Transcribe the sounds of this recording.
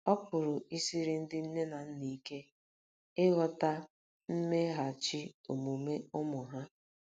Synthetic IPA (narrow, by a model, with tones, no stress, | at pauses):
ɔ˦pʊ˨ɾʊ˨ʔi˦si˦ɾɪ˨n̩˦dɪ˦n̩˦ne˦na˨n̩˦ni˨˦ke˦ | ɪ˦ɣɔ˨ta˦ | m̩˦me˦ɦa˨t͡ʃi˦o˨mu˨me˦ʊ˦mʊ˨ɦa˦